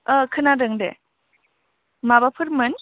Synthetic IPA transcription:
əkʰɯnadɯŋdḛ | mabapʰɯɾmɯn

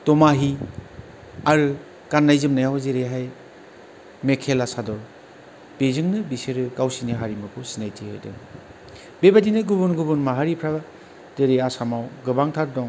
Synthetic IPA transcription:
tɔmaɦi | aɾɯ | kanːajzɯmnajawzeɾeɦaj | mekʰelasadɔɾ | b̥ezɯŋnɯbiseɾɯkawsiniɦaɾimɯkʰusinajtʰihɯ̰dɯ̰ | bebadinɯɡubunɡubɯnmaɦaɾipʰɾa | d̥eɾeasamawɡɯbaŋtʰaɾdɔŋ

